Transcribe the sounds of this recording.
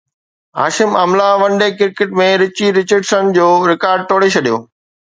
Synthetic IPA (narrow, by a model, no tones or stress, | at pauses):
a̰ːʃɪmɐmlaʋɐ̃ɳɖekɪɾkeʈmẽɾɪt͡ɕiɾɪt͡ɕəɖsənd͡ʑoːɾɪkaːɾɖ̚t̪ʰoːɽet͡ɕʰɐɗijo̰ː